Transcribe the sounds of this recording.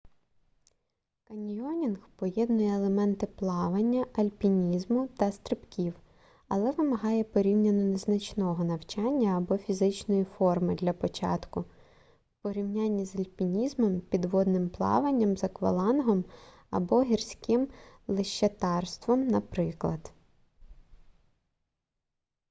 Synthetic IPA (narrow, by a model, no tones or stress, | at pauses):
kɐnʲijɔnʲinxpɔjɛd̪nʊjɛːlˠemɛnt̪ɪplˠɑʋɐnʲːɐʔɐlʲpʲinʲizmʊt̪ɐst̪ɾɪpkʲiw | ɐlˠɛʋɪmɐɦɑjɛpɔɾʲiwnʲɐnɔneznɐt͡ʃnɔɦɔnɐwt͡ʃɑnʲːɐːbɔfʲizɪt͡ʃnɔjifɔrmɪd̪lʲɐpɔt͡ʃɑ̰t̪kʊ | pɔɾʲiwnʲanʲːizɐlʲpʲinʲizmɔmpʲid̪ʋɔd̪nɪmplˠɑ̰ʋɐnʲːɐmzɐkʋɐ̰lˠɑnɦɔm | ɐ̰bɔɦʲirsʲkɪm | lˠɪʃɐt̪ɑrst̪ʋɔmnɐpɾɪklˠɐd̪̥